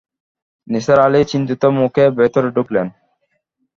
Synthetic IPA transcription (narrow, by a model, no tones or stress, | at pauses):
nisaɾalit͡ɕint̪it̪omukʰebet̪oɾɖuklen